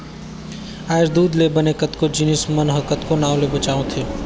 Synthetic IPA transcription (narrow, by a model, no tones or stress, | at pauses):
aːɪɾd̪uːd̪lebɐnekɐt̪kod͡ʒinɪsmɐnɦəkɐt̪konãːlebɐt͡ʃaːõt̪ʰeː